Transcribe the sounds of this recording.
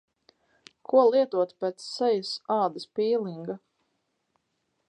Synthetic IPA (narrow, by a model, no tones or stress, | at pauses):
kʰuɔlˠiɛt̪uɔt̪pɛt̪sːɛjasaːd̪ɐspiːlˠiŋɡa